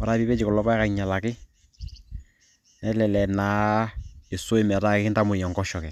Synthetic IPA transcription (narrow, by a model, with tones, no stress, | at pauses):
ɔ˨ɾa˦βi˦pe˦t͡ʃɪ˨kɔ˨lɔ˦pa˦ɛ˦ka˨ɲa˨la˨kɪ˦ | nɛ˦lɛ˨lɛ˨naː˨˦ | e˨so˦e˦˨mɛ˨ɾa˦kɪ˦nta˦mʊ˨jɔ˨ŋɡɔ˦ʃɔ˨kɛ˨